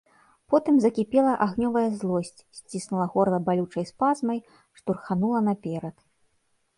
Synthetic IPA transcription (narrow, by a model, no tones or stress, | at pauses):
pɔt̪ɨmzɐkʲipʲɛlˠɐʔaɣnʲɔvɐjɐzlˠɔsʲt͡sʲsʲt͡sʲisnulˠɐɣɔrlˠɐbalʲut͡ʂɐjspazmɐj | ʂt̪urxanulˠɐnɐpʲɛɾɐt̪